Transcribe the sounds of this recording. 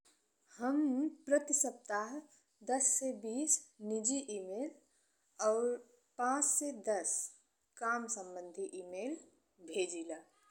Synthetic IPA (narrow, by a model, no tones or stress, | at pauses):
həmpɾət̪isəp̚t̪aɦ | d̪əsːebiːsnid͡ʒiʔimeːl | ɔːɾ | pãːt͡ʃsed̪əs | kaːmsə̃mbə̃nd̪ʱiʔimeːl | bʱeːd͡ʒila